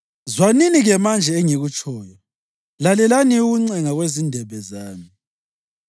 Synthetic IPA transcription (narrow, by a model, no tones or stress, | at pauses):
zwaniniɣɛmand͡ʒʱɛːŋiɣut͡ʃʰʼɔːjɔ | lalɛlaniuɣuŋ͡ǀɛŋaɣwezindʱɛβɛzaːmi